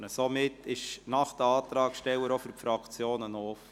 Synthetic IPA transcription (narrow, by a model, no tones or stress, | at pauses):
nəsomɪtːɪʃnɑχd̥̪əɑːt̪ɾɑːkʃtɛwəɾofyrfɾɑkt͡sjoːnənoːf